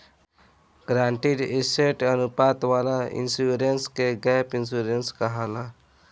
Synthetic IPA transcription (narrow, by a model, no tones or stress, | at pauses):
ɡɾãːɳʈiɖɪseʈənʊpaːt̪waːlaɪ̰nsuɾenskeɡɛːpɪnsuɾenskaɦalaː